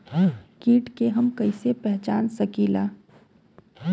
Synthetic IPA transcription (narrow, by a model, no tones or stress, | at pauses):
kiːʈkeɦɐmkɐisepɛɦt͡ʃaːnsɐkiːlaː